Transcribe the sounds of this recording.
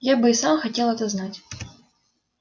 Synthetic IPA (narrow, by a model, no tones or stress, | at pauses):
jabɨisamxatʲɛlˠɛt̪ɐznatʲ